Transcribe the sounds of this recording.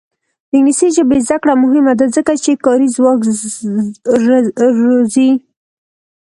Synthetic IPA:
d̪ɪɡniseʒəbezd̪akɽamʊɦɪmad̪azəkat͡ʃekɑɾizwɑk | ɾozi

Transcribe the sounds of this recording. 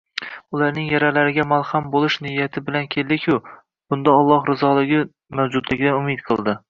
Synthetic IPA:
ʊlaɾnɪŋjaɾalaɾɪɡʲamalˠhambolˠɪʃnɪjat̪ʰɪbɪlankʲʰe̞ld̪ɪkʲʰʊ | b̥ʊnd̪aɒlˠːɒhɾɪzɒlˠɪɡʲɪ | mawd͡ʒʊd̪lɪɡʲɪd̪anʊmɪt̪̚qʰɨlˠd̪ɪ

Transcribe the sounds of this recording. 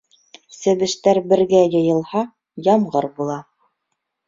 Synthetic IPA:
sɘ̆βɘ̆ʃt̪æɾbɘ̆ɾɡæjɤ̆jɤ̆lˠhɑ | jɑmʁɤɾbulˠɑ

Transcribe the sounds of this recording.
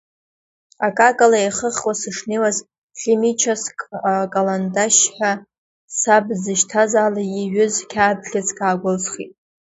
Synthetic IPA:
akʼakʼalaeχəχwasɨʂnewaz | ɬimit͡ʃʰaskʼalandaʃħʷᶣa | sabzɨʃtʰazaːlajiʕʷᶣʊzkʲʰaːbɮʲazkʼaːɡʷʊlzχḭtʼ

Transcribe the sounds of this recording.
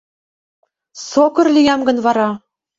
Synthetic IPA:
sokɤ̆rlʲijɑmɡɤ̆nvɑɾɑ

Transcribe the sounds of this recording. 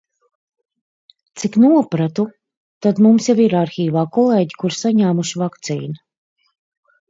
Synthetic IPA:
t̪siknuɔpɾat̪u | t̪ad̪mumsjaviɾaɾxiːvaːkɔlˠeːɟi̥kuɾsaɲaːmuʃivakt̪sḭːna

